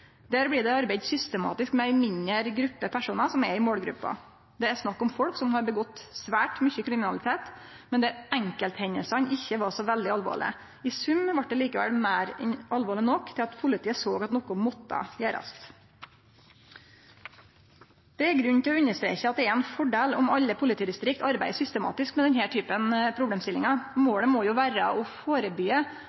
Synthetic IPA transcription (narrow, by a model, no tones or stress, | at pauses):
d̪̥æːɾblɪd̪ɛɑɾbæɪd̪sʏst̪əmɑ̰ːt̪ɪskmɛæɪmɪɲəɾɡɾʉpːəpʰæʂuːnɑsɔmɛɪmoːlɡɾʉ̰pːɑ̰ | d̪ɛæɾʂnɑkːɔmfɔlksɔmhɑɾbəɡɔt̪ːsʋæːʈmʏçəkʰɾɪmɪnɑlɪt̪ʰeːt̪ | mɛnd̪ɛæɾæŋkəlt̪hɛɲəlsɑnʔɪçːəʋɑɾsɔʋɛld̪ɪɑlʋo̰ːɭɪ̰ | ɪsʉmʋɑʈ̚d̪ɛliːkəʋɛ̰lmæːɾɛnʔɑlʋoːɭɪnɔkːt̪ʰɪlɑt̪pʰʊlɪt̪ʰiːəsoːɡɑt̪nɔkʊmɔt̪ːə̰jeːɾɑ̰st̪ | d̪̥ɛæɾɡɾʉnt̪ʰɪlɔʉɲːəʂt̪ɾḛːçəɑt̪̚d̪ɛɛɾɛnfɔɖeːlɔmɑʎːəpʰʊlɪt̪iːd̪ɪst̪ɾɪkt̪ɑɾbæɪəsʏst̪əmɑ̰ːt̪ɪskmɛd̪ɛnhæːʈʰyːpənpʰɾʊbleːmst̪ɪlːɪŋɑmoːɭəmɔjʊːʋæːɾə̰ʔɔfoːɾəbyːə